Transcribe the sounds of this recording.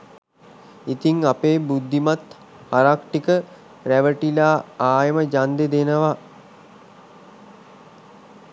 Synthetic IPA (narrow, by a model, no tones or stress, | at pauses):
it̪iŋapeːbud̪ːimat̪ | haɾakʈikə | ɾæʋəʈilaːaːjəməd͡ʒand̪ed̪enəʋa